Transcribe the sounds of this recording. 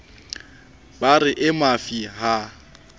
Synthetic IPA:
barɪʔɪmafiɦa

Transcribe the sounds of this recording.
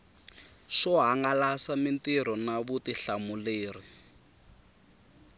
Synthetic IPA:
ʃɔɦaŋɡalasamintiɾ̤ɔnaβutiɬamuleːri

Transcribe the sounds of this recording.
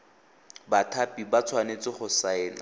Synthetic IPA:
batʰapʼibat͡sʰwanet͡sɪχʊsaɛːna̰

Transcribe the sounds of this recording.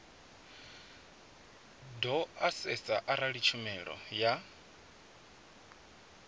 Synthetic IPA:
dɔasɛt͡sʼaʔaɾaɺit͡ʃʰumɛɺɔ̰ja

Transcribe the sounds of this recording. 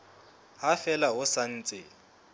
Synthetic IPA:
ɦafɛlaɦʊsan̩ːt͡sʼɪ

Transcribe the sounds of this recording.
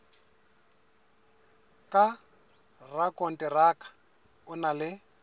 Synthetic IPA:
kʼa | rakʼɔn̩tʼɛrakʼḁ | ʊnalɪ

